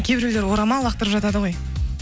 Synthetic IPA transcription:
kʲʰe̞bɪɾele̞ɾwo̞ɾɑmɑlˠɑqt̪əɾəpʒɑt̪ɑd̪əʁo̞j

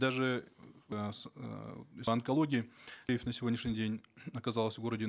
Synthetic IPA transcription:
d̪aʐɨ | ɐnkɐlˠoɡʲɪɪjɪfʲnəsʲɪvʲonʲɪʂnʲɪdʲenʲɐkɐzalˠəsʲvɡo̞ɾədʲɪ

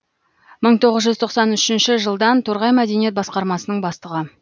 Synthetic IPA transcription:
məɴt̪ʰo̞ʁəzʒʏzt̪ʰo̞qsɑnʏʃɪnʃɪʒəlˠd̪ɑnt̪ʰoɾʁɑjmæd̪e̞nije̞t̪̚bɑsqɑɾmɑsənəɴbɑst̪əʁə

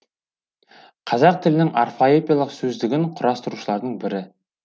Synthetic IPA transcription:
qʰɑzɑq̚t̪ʰɪlɪnɪŋarfoepʲijalˠəqsɵzd̪ɪɡʲɪɴqʰʊɾɑst̪əɾuʃəlˠɑɾd̪əɴbɪɾɪ

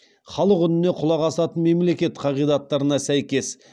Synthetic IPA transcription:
χɑlˠəqʏnɪne̞qʰʊlˠɑʁɑsɑt̪ənme̞mle̞kʲe̞t̪qʰɑʁijd̪ɑt̪ːɑɾənɑsæjkʲe̞s

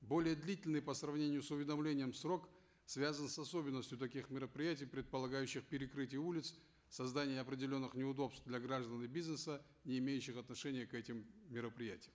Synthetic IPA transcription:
bo̞lʲɪjəd̪lʲitʲɪlʲnɨjpəsrɐvnʲenʲɪjʊsʊvʲɪd̪ɐmlʲenʲɪjəmsro̞k | svʲazənsɐsobʲɪnːəsʲtʲjʊt̪ɐkʲixmʲɪɾəpɾʲɪjætʲɪjpɾʲɪt̪̚pəlˠɐɡajʉɕːɪxpʲɪɾʲɪkɾɨtʲɪjəulʲɪt̪s | sɐzd̪anʲɪjəɐpɾʲɪdʲɪlʲo̞nːɨxnʲɪʊd̪o̞pst̪vd̪lʲɐɡɾaʐd̪ənɨbʲiznəsə | nʲɪːmʲejʉɕːɪxɐt̪nɐʂɛnʲɪjəkɛtʲɪmːʲɪɾəpɾʲɪjætʲɪjəm

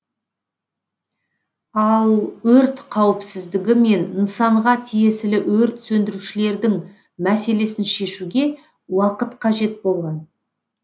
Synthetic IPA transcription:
ɑlˠɵɾt̪qʰɑwɪpsɪzd̪ɪɡʲɪme̞nənsɑɴʁɑt̪ʰije̞sɪlɪwɵɾt̪sɵnd̪ɪɾuʃɪle̞ɾd̪ɪŋ | mæse̞le̞sɪnʃe̞ʃuɡʲe̞ | wɑqət̪qʰɑʒe̞t̪̚bo̞lˠʁɑn

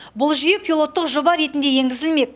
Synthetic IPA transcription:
bʊlˠʒʏjepʰʲilˠo̞t̪ːəqʒobɑɾe̞t̪ɪnd̪e̞je̞ŋɡʲɪzɪlme̞k̚

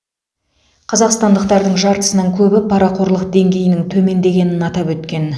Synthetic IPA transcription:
qʰɑzɑqst̪ɑnd̪əqt̪ɑɾd̪əɴʒɑɾt̪ə̥sənəɴkʲʰɵbɪpʰɑɾɑqʰo̞ɾlˠəqd̪e̞ŋɡʲe̞jɪnɪŋt̪ʰɵme̞nd̪e̞ɡʲe̞nɪnɑt̪ɑpwɵt̪kʲe̞n

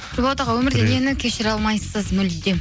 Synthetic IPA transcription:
ɾʲɪbot̪ɑʁɑwɵmɪɾd̪enenɪkʲʰe̞ʃɪɾɑlˠmɑjsəzmʏld̪e

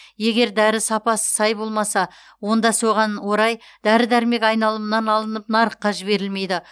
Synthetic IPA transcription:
je̞ɡʲe̞ɾd̪æɾɪsɑpɑsə̥sɑjbo̞lˠmɑsɑ | wo̞nd̪ɑso̞ʁɑnwo̞ɾɑj | d̪̥æɾɪd̪æɾme̞kɑjnɑlˠəmnɑnɑlˠənəpnɑɾəqːɑʒɪbe̞ɾɪlme̞jd̪ɪ

